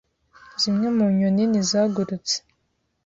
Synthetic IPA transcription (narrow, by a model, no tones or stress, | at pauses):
zimɲemuɲoninizaɡuɾut͡se̥